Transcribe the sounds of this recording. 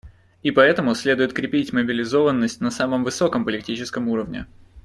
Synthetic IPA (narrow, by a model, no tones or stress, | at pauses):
ɪpɐɛt̪əmʊsʲlʲe̞d̪ʊɪt̪̚kɾʲɪpʲitʲməbʲɪlʲɪzo̞vənːəsʲtʲnɐsaməmvɨso̞kəmpəlʲɪk̚tʲit͡ɕɪskəmuɾəvnʲɪ̰